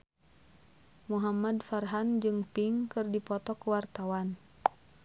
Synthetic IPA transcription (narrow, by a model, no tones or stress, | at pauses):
muɦamadfarɦand͡ʒɨŋpiŋkɨrdipɔt̪ɔkuwart̪awan